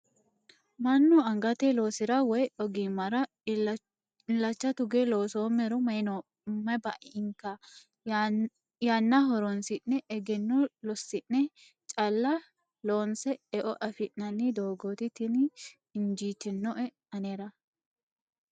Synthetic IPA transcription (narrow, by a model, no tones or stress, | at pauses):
mɐnːʊɐŋɡɐt̪ɛloːsɪɾɐwɔjɔɡimɐɾɐ | ɪnlɐt͡ʃːɐt̪ʊɡeloːsoːmɛɾɔmɐnɔ | mɐbɐʔɪŋkːɐ | janːɐɦɔɾɔnsɪnːɛʔɛɡɛnːɔlɔsːɪnːɛ | t͡ʃʼɐlːɐ | loːnsɛɛʔɔʔɐfɪʔnɐnːɪd̪oːɡot̪ɪt̪ɪn | ɪnd͡ʒiːt̪ɪnːɔʔɛ | ɐneɾɐ